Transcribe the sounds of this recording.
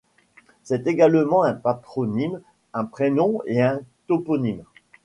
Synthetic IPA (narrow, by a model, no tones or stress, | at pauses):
sɛt̪eɡalmɑ̃ɛ̃pat̪χɔnim | ɛ̃pχenɔ̃eɛ̃t̪opɔnim